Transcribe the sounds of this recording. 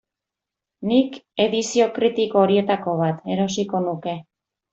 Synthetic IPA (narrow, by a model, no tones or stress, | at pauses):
nike̞ðisio̞kɾit̪ikoːɾie̞t̪ako̞βat̪e̞ɾo̞siko̞nuke̞